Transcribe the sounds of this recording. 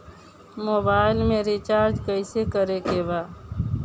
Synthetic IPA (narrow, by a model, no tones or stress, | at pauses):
moːbaːɪlmẽɾit͡ʃaːɾd͡ʒkəɪsekəɾekebaː